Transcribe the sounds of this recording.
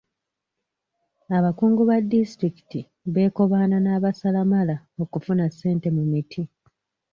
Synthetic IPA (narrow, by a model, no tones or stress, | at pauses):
aβakuːŋɡuβadːistɾiki̥ti | βe̞ːko̞βaːnanaːβasalamala | o̞kufunasːe̞ːnte̞mumitʰi